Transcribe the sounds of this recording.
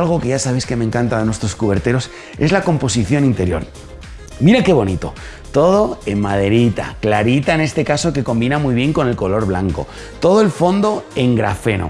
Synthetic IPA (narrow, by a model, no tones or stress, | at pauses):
lɣo̞ke̞jʝasaβeske̞mẽ̞ŋkant̪aðenwest̪ɾo̞skuβe̞ɾt̪e̞ɾo̞s | e̞zlako̞mpo̞siθjo̞nint̪e̞ɾjo̞̰ɾ | miɾake̞β̞o̞nit̪o̞̰ | t̪o̞ð̞o̞emmað̞e̞ɾit̪a̰klaɾit̪aene̞st̪e̞kaso̞ke̞ko̞mbinamujβje̞ŋko̞ne̞lko̞lo̞ɾβlaŋko̰ | t̪o̞ð̞oe̞lfo̞nd̪o̞e̞ŋɡɾa̰fe̞no̰